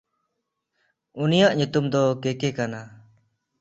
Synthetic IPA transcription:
unijaʔɲut̪umd̪ɔkɛkɛkana

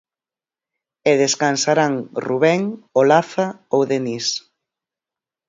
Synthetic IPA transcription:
eðeskansaɾaŋruβɛŋolaθaowðenis

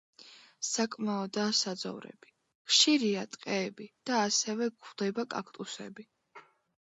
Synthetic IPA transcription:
sakʼmaɔd̪aːsad̪zɔ̰vɾɛ̰b̥i | χʃiɾiat̪ʼqʼɛːbid̪̥aːsɛvɛɡχd̪̥ɛbakʼa̰kʰt̪ʼusɛ̰bi

